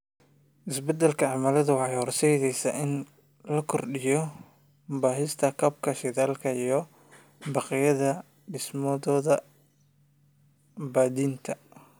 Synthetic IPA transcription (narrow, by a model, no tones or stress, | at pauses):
ʔɪsbɛd̪ɛlkʰɐʕɑmɐlɐðʊwɑħɑjhɔrsɛjðɛjsɐʔɪn | lɐkʰɔrɖɪjɔ | baːɦɪst̪ʰɐkʰɐb̚kʰɐʃɛðaːlkʰɐijɞ | bɑqɪjɐðɐ | ɖɪsmɔðɔːðɐ | baːdiːnt̪ʰɐ